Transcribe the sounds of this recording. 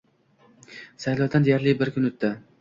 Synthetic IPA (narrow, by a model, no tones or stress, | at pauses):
sajlˠɒd̪and̪ejaɾlɪbɪɾkʰʲʊnʊt̪ːɪ